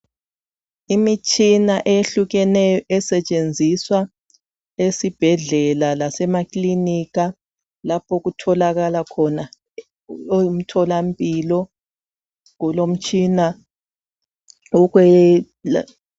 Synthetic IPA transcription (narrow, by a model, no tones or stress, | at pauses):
imit͡ʃʼinaʔejeɬuɣɛnɛjɔʔɛsɛt͡ʃʼend͡zʱiswa | esib̥ʱɛɮɛlalasɛmakʼliniɣa | lapʰoɣutʰɔlaɣalakʰɔna | oum̩tʰɔlampʼilɔ | ŋɔlom̩t͡ʃʼina | ɔɣwɛ